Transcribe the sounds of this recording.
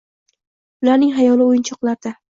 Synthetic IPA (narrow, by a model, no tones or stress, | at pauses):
ʊlaɾnɪŋɦajɒlˠɪojɪnt͡ʃʰɒqlˠaɾd̪a